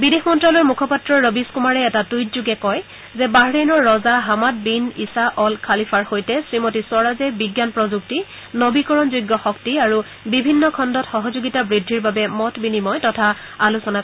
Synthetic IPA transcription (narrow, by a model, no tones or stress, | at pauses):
bidexmɔntɹalɔɹmukʰɔpatɹɔɹːobiskumaɹɛːtatujtzuɡɛkɔj | zɛbaɦɹenɔɹːɔzaɦamat̚binisaʔɔlkʰalipʰaɹxojtɛsɹimotisɔɹazɛbiɡjanpɹɔzukti | nobikɔɹɔnzujɡːɔxɔktiaɹu | bibʱinːɔkʰɔndɔtxɔɦɔzuɡitabɹidʱːiɹbabɛmɔtbinimɔjtɔtʰa | alusɔna